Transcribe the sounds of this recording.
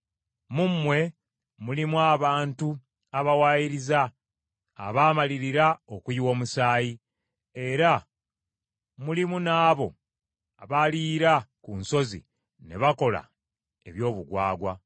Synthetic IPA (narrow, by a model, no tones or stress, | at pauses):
mumːwe̞ | mulimwaːβaːntu | aβawaːjiɾiza̰ː | βaːmaliɾiɾaokuijiwo̞ːmusaːji | e̞ɾa | mulimunaːβo̞ | aβaliːɾakunso̞zḭ | ne̞̰βako̞la̰ | e̞βjo̞ːβuɡwaːɡwa